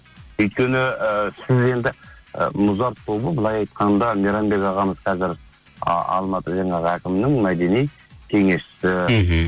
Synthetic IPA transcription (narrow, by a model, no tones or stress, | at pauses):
ɵjt̪̚kʲe̞nɪəsɪze̞nd̪ɪ̰mʊzɑɾt̪ʰːo̞bəbəlˠɑjɑjt̪qɑnd̪ɑmʲeɾɑnbe̞kɑʁɑməzqʰɑzɪɾ̰ | ɑ̰lˠmɑt̪əʒɑɴɑʁəækʲɪmɪnɪŋmæd̪e̞nij | kʲʰe̞ŋe̞sʃɪ̥sɪ